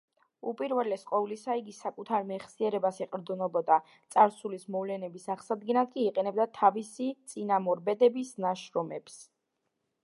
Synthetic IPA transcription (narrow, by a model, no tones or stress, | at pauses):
upʼiɾvɛlɛsqʼɔlisaiɡisakʼut̪ʰaɾmɛχsiɛɾɛbasɛqʼɾd̪zunɔbɔd̪a | t̪sʼaɾsulismɔvlɛnɛbisaʁsad̪̚ɡɛnad̪̚kʼiːqʼɛnɛb̚d̪at̪ʰavisit̪sʼinamɔɾbɛd̪ɛbisnaʃɾɔmɛps